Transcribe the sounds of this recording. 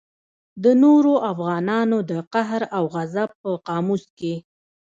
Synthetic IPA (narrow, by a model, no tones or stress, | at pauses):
d̪ənoɾoʔafɣɑnɑnod̪əqaɦɾawɣazab̚pːəqɑmuske